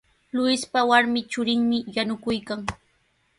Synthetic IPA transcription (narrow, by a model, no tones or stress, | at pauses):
lʊɪspawaɾmɪt͡ʃʊɾɪŋmɪjanʊkʊjkaŋ